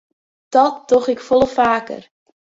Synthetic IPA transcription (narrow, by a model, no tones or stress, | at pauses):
d̥ɔt̚d̥ɔχɪkfɔlˠəfaːkə̰r